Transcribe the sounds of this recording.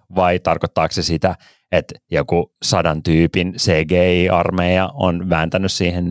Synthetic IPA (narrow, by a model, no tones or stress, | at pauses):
ʋɑit̪ɑrkot̪ːɑːksesit̪æ | et̪jokusɑdɑnt̪yːpinseːɡeːiːʔɑrmejɑonʋæːnt̪ænyssiːhen